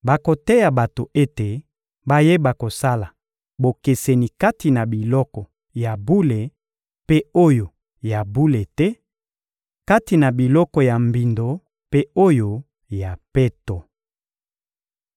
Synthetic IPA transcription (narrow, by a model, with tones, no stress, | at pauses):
ba˨ko˨tɛ˦ja˨ba˨to˨e˦te˨ | ba˦je˦ba˨ko˨sa˦la˨ | bo˨ke˨se˨ni˨ka˦ti˨na˨bi˨lɔ˦kɔ˨ | ja˨bu˦le˨ | pe˦o˦jo˨ | ja˨bu˦le˨tɛ˦ | ka˦ti˨na˨bi˨lɔ˦kɔ˨ja˨mbi˨ndo˨ | pe˦o˦jo˨ | ja˨pe˦to˨